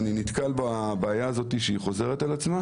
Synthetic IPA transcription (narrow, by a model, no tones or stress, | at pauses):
ninit̪kalbabaːjaːzo̞t̪iʃeiχo̞ze̞ʁet̪alat͡sma